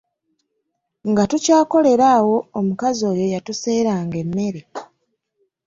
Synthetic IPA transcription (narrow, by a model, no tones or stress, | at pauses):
ŋɡatucaːko̞le̞ɾaːwo̞ːmukazo̞ːjo̞jatuse̞ːɾaːŋɡe̞mːe̞ɾe